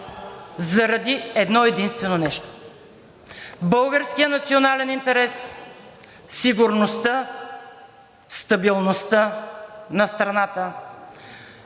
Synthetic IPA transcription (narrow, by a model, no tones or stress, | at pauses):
zɐɾɐd̪iɛd̪nɔɛd̪inst̪vɛnonɛʃt̪o̥ | bɤlˠɡəɾskijənɐt̪sionalɛnint̪ɛɾɛs | iɡʊɾnost̪ə | st̪ɐbilˠnost̪ənɐst̪ɾɐnat̪ə